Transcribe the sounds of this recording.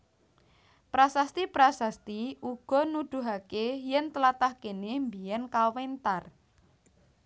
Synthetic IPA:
pɾasast̪ipɾasast̪iuɡ̥ɔ̤nud̪̥ṳɦakejɛnt̪əlat̪ahkenembijɛnkawent̪ar

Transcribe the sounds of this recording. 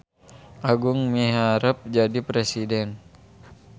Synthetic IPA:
ʔaɡuŋmiɦaɾəp̚d͡ʒadipɾesidɛn

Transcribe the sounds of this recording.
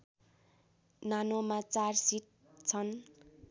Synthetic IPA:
nanomat͡sarsit̚ | t͡sʰʌn

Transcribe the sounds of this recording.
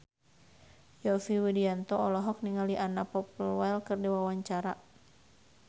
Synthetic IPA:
jɔsiwidiant̪ɔɔlɔɦɔk̚niŋaliʔanapɔplwɛlkɨrdiwawaɲt͡ʃaɾa

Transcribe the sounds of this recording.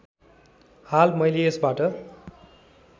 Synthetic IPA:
halmʌjleesbaʈʌ

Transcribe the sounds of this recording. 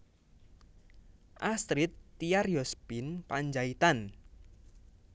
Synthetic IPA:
ʔast̪ɾit̪ːiarjɔspinpaɲd͡ʒait̪an

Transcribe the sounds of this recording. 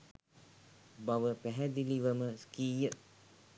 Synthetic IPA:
bawəpɛɦɛd̪iliʋəməskijə

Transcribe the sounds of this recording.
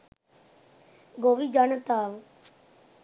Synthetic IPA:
ɡoːʋiːd͡ʒant̪aːʋ

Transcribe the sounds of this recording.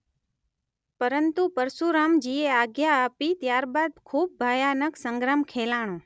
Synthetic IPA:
pəɾənt̪upəɾsuɾamd͡ʒieaɡjaːpit̪jaɾbad̪kʰuːb̚bʱajanəksəŋɡɾamkʰelaɽ̃õ

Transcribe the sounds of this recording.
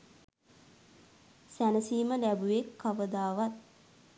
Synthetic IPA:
sænəsiːməlæbujekʰːaʋəd̪aːʋat̪̚

